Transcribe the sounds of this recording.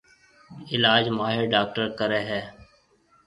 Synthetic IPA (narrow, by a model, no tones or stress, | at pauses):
ɪlaːd͡ʒmaːɦeːɖaːk̚ʈəɾkəɾɛːɦɛː